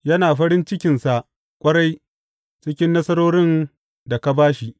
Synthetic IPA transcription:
jɐ˦naː˨ɸɐ˦ɾɪ˦nt͡ʃɪ˦kʲɪ˨nsa˨ʔ | kʷʼɐ˦ɽa˦j | t͡ʃɪ˦kʲɪ˦nːɐ˦sɐ˦ɾoː˦ɽɪ˦n | da˨ka˨baː˦ʃi˨

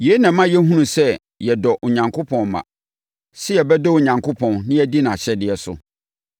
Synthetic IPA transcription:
je˨˦nã˨mã˦jɛ˦ɦũ˦nũ˨sɛ˦ | jɛ˨dɔ˨ʔʊ˨ɲã˨ŋkʰo˦pʰɔ̃˨nmã̰˨ | sɪ˦jɛ˨bɛ˦dɔ˦ʊ˨ɲã˨ŋkʰʊ˦pʰɔ̃˨nnɪ̃˦æ˦di˦nã˨ɕɛ˦dɪ˨ɛ˨sʊ̰˨

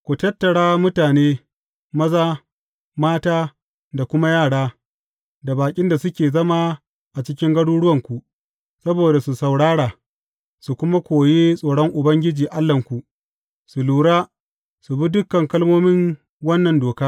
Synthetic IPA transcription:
kʷu˨tɐ˦tːɐ˨ɽaː˦mʊ˦taː˨neː˦ | mɐ˦zaː˦ | maː˦taː˦ | da˨kʷʊ˦ma˦jaː˦˨ɽaː˦ | da˨baː˨kʲʼɪ˦nda˨sʊ˦kʲeː˨zɐ˦maː˦ | ʔa˨t͡ʃɪ˦kʲɪ˦ŋɡɐ˦ɽuː˦ɽʊ˦wɐ˨ŋkʷu˨ʔ | sɐ˦boː˨da˨su˨sɐ˨wɽaː˦ɽaː˨ | su˨kʷʊ˦ma˦kʷoː˨jeː˦sʼoː˨ɽɔ˦ŋʔʊ˨bɐ˦ŋɡʲɪ˦d͡ʒiː˨ʔa˦lːɐ˨ŋkʷu˨ʔ | su˨luː˨ɽaː˦ | su˨bi˦dʊ˦kːɐ˨ŋkɐ˦lmoː˦mɪ˦ŋ | wɐ˦nːɐ˨ndoː˨kaː˦

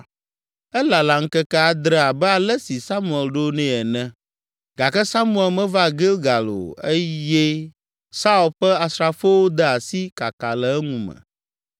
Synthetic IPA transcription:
ɛ˦la˨la˨ŋ̩˦kɛ˦kɛ˦a˨d̪ɾɛ˦a˨bɛ˦a˨lɛ˦si˨sa˦mũ˦˨ɛ˨lɖo˦nɛ̃˦ɛ˨nɛ̃˨ | ɡa˨kɛ˦sa˦mũ˦ɛ˨lmɛ̃˦va˦ɡe˦lɡa˨lo̰˨e˦je˦ | sa˦u˨lɸɛ˦a˨sɾa˦fɛ˦wo˦d̪ɛ˦a˨si˦ka˨ka˨lɛ˨ɛ˦ŋũ˨mɛ̰̃˨

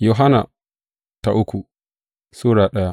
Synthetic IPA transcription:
jo˨ɦa˦na̰˨ | ta̰˨ʔʊ˦ku˨ | suː˦ɾaː˨ɗɐ˦ja˦

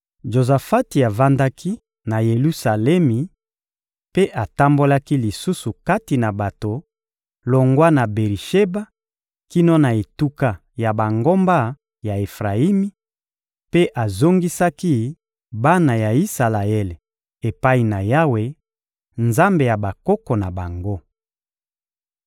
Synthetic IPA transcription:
ʒo˨za˨fa˦ti˨a˨va˦nda˦kʰi˦ | na˨je˨lu˦sa˨lɛ˦mi˨ | pe˦ʔa˨ta˦mbo˦la˦ki˦li˨su˦su˨ka˦ti˨na˨ba˨to˨ | lo˨ŋɡwa˦na˨be˨ʁi˨ʃe˦ba˦ | ki˦no˦na˨e˨tu˦ka˦˨ | ja˨ba˨ŋɡo˦mba˦ | ja˨e˨fʁa˨i˦mi˦ | pe˦ʔa˨zo˦ŋɡi˦sa˦ki˦ | ba˦na˨ja˨i˦sa˨la˨ɛ˦le˨ | e˨pa˦i˨na˨ja˦we˦ | nza˦mbe˨ja˨ba˨kɔ˦kɔ˨na˨ba˨ŋɡo˦

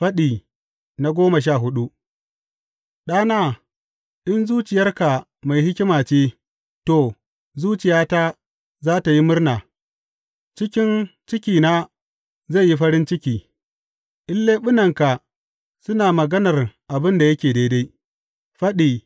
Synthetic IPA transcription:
ɸɐ˦ɗiː˨ | na˦ɡʷoː˦mɐ˨ʃ̬aː˦˨ɦʊ˦ɗu˦ʔ | ɗaː˦naː˦ | ʔɪ˦nzuː˦t͡ʃɪ˨jɐ˦rka˨ | ma˨jhɪ˦kʲɪ˦maː˨t͡ʃeː˦ | to˨ | zuː˦t͡ʃɪ˨jaː˦taː˦ | zaː˦ta˨ji˦mʊ˦rnaː˨ | t͡ʃɪ˦kʲɪ˦nt͡ʃɪ˦kʲiː˨na˦ | za˦˨jːi˦ɸɐ˦ɾɪ˦nt͡ʃɪ˦kʲiː˨ | ʔɪ˦lːeː˦ɓʊ˦nɐ˨ŋka˨ | sʊ˦naː˨mɐ˨ɡɐ˦nɐ˨rʔa˨bɪ˦nda˨jɐ˦kʲeː˨da˦da˦j | ɸɐ˦ɗiː˨

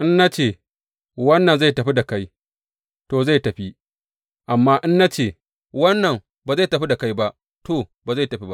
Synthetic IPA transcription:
ʔɪ˦nːa˦t͡ʃeː˦˨ | wɐ˦nːɐ˨nza˦˨tɐ˨ɸi˦da˨ka˦j | toː˨za˦˨jtɐ˨ɸi˦ | ʔa˨mːaː˦ʔɪ˦nːa˦t͡ʃeː˦˨ | wɐ˦nːɐ˨ŋ | baː˨za˦˨tɐ˨ɸi˦da˨ka˦jba˦ʔ | tʰo˨baː˨za˦˨jtɐ˨ɸi˦ba˦ʔ

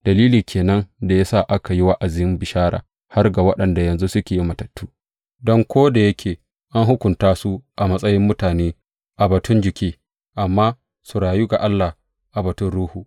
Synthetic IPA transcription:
d̥ɐ˨liː˦liː˨kʲʰeː˨nɐ˦nda˨ja˦sa˦ʔa˦ka˨ji˦wa˦ʔa˨zɪ˨˦ɪ˦mbɪ˨ʃaː˦ɾa̰ː˨ | ha˦rɡa˨wɐ˦ɗɐ˨nda˨jɐ˨nzu˦sʊ˦kʲeː˨ji˦mɐ˨tɐ˨tːuː˦ | dɔ˦ŋkʷoː˦da˨jɐ˦kʲʰeː˨ | ʔa˦nɦʊ˦kʷʊ˨ntaː˦su˦ʔa˨mɐ˦sʼɐ˦jɪ˦mːʊ˦taː˨neː˦ | ʔa˨bɐ˨tʊ˦nd͡ʒɪ˨kʲiː˦ | ʔa˨mːaː˦ | su˨ɾaː˨ju˦ɡa˨ʔa˦lːa˨ | ʔa˨bɐ˨tʊ˦nɽuː˦huː˨

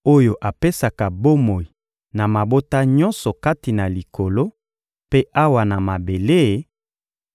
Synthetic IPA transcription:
o˦jo˨ʔa˨pe˦sa˨ka˨bo˦mo˨i˨ | na˨ma˨bo˦ta˦ɲɔ̃˦nsɔ˨ka˦ti˨na˨li˨ko˨lo˦ | pe˦ʔa˦wa˨na˨ma˨be˨le˦˨

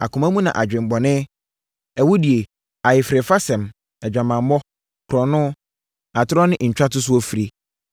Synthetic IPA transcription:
a̰˨kʰʊ̃˨mã˦mũ˦nã̰˨ʔa˨d͡ʑᶣɪ̃˨m˨bɔ˨nɪ̃˦ | ɛ˨wʊ˦di˨e˨ | a˨jɪ˨fɾe˨fa˦sɛ̃˨m | ɛ˨d͡ʑᶣã˨mã˨m˦ɔ˦ | kʰɾɔ̃˨nʊ̃˦ | a˨tʰɪ˦ɾɔ˦nɪ̃˦ɲ̩˨t͡ɕᶣa˦tʊ˦s̬ʊ˦ɔ˦fi˨˦ɾi˦

